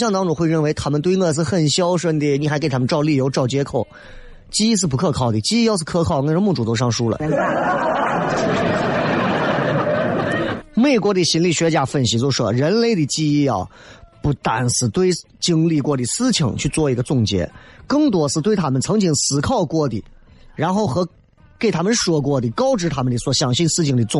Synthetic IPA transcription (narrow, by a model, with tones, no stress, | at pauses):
ɕjɑ˥˧ŋt̪ɑ˥ŋʈ͡ʂʊ˨˩ŋxwɪɻə˥˩nwe˧˥ɪt̪ʰa˥mə˨nt̪we˥ɪnɤ˥˧s̬ɹ̩˥˧xə˥˩nɕjɑ˥ʊʂə˥˧˩nd̪i˥˩ni˨˩xa˧˥ɪke˨˩ɪa˥m˧nʈ͡ʂɑ˥˧ʊli˥˩jo˧˥ʊʈ͡ʂɑ˥˩ʊt͡ɕjɛ˥kʰo˨˩ʊ | t͡ɕi˥i˥˧ʂ̬̩˥˩pu˧˥kʰɤ˥˧kʰɑ˥˩ʊd̪ə˨˩t͡ɕi˥i˥˧jɑ˥˧ʊʂ̬̩˥˧kʰɤ˥˧kʰɑ˥˩ʊkə˥nʂmu˥˩ʈ͡ʂu˨˩t̪o˥˧ʂ̬ɑ˥˧ŋʂu˥lə̰˨˥ | me˥˩ɪkwɔ˧˥d̪ə˨˩ɕi˧˥nli˥˩ɕɥɛ˧˥t͡ɕja˥˩fə˥˧nɕi˧˥t͡ɕjo˥˧ʊʂwɔ˥ɻə˧˥nle˥˧ɪd̪ə˨˩t͡ɕi˥˧i˥˩ɐ̰˨˩ | pu˥˩t̪a˧˩nsɹ̩˧˩t̪we˥˧ɪ | t͡ɕi˥ŋli˥˧kwɔ˥˩d̪i˨˩sɹ̩˥t͡ɕʰi˧˥˦ŋt͡ɕʰy˥˧t͡swɔ˥˩i˧˥ɡə˧t͡sʊ˥˩ŋt͡ɕjɛ̰˧˥kɤ˥˩ŋt̪wɔ˥ʂɹ̩˥˩t̪we˥˩ɪt̪ʰa˥mə˨nt͡sʰɤ˧˥ŋt͡ɕi˧˥˩ŋsɹ̩˨˩kʰɑ˥˧ʊkwɔ˥˩d̪ḭ˨˩ | ɻa˧˥nxo˥˩ʊxɤ˧˥ | ke˥˩ɪt̪ʰa˥mə˨nʂwɔ˥kwɔ˥˩d̪i˨˩kɑ˥ʊʈ͡ʂɻ̩˧˥t̪ʰa˥mə˨nd̪ə˨˩swɔ˨˩ɕjɑ˨˩ŋɕi˥nsɹ̩˥t͡ɕʰi˧˩ŋd̪i˨˩t͡sʊ˥˧